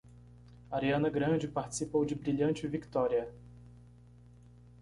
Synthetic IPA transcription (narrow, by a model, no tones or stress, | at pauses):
aɾiɐ̃nɐɡɾɐ̃d͡ʒɪpaɾt͡ʃɪ̥sipowd͡ʒɪbɾiʎɐ̃nt͡ʃɪvikt̪ɔɾiɐ